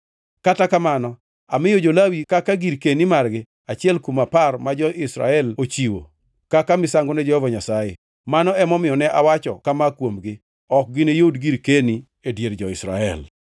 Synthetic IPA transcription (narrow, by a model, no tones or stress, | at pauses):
katakamanɔ | amɪjod͡ʒolawikakaɡiɾkenimarɡɪ | at͡ʃɪɛlkumaparmad͡ʒɔʔɪsɾa̰ɛlot͡ʃiwo̰ | kakamɪsaŋɡonɛd͡ʒɔhɔvɔɲasaje | manɔɛmɔmɪjɔnɛʔawat͡ʃɔ̰kamakwomɡɪ | ɔk̚ɡɪnejodɡiɾkeni | edjeɾd͡ʒɔɪsɾa̰ɛ̰l